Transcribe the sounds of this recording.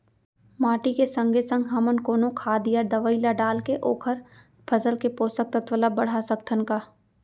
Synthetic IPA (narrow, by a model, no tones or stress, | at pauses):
maːʈikesɐ̃ŋɡʱesə̃ŋɡɦɐmənkoːnõkʰaːd̪ijaɾd̪əʋəilaɖaːlkeʔoːkʰəɾ | pʰəzəlkepoːsək̚t̪ət̪ʰʋəlabəɽ̤asəkt̪ʰənkaː